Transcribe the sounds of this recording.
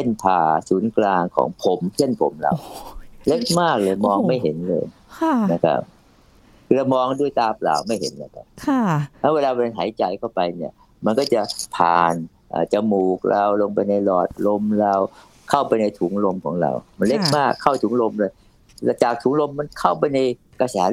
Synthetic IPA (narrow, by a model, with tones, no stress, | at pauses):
sʰe˥˩np̪ʰaː˧˩suː˩˦nklaː˧ŋkʰɔ̰ː˩˦ŋpʰo˨˩˦mkʰe˥˩ə˨npʰo̰˩˦mɾa̰˧wle˦˥k̚maː˥˩k̚lɤː˧jmɔː˧ŋma˥˩jɦe˨˦nlɤ̰ː˧j | na˦˥˩kʰa̰˦˥p̚ | kʰɯː˧ɾa˧wmɔː˧ŋdu˥˩əjt̪aː˧pla̰ː˨˩wma˥˩jɦḛ˩˦nla̰˨˧˩ka̰˧˩nkʰːtʰa˦˥weː˧laː˧pɦa̰ː˩˦jt͡ɕa˧jkʰa˥˩wpa˧jni˧˥˩ɐ | ma˧nkɔː˥˩t͡ɕa˨˩pʰa̰ː˨˩n | ʔa̰ː˨˩t͡ɕa˧muː˨˩k̚ɾa˧wlo˧ŋpa˧jna˧jlɔː˨˩t̪̚lo˧mɾa˧w | kʰa˥˩wpa˧jna˧jt̪ʰuː˩˦ŋlo˧mkʰɔː˩˦ŋɾa̰˧wma˧nle˦˥k̚maː˥˩kʰːa˥˩wt̪ʰuː˩˦ŋlo˧mlɤː˧j | t͡ɕaː˨˩k̚t̪ʰuː˩˦ŋlo˧mːa˧nkʰa˥˩wpa˧jna˧j | ka˧sɛː˨˦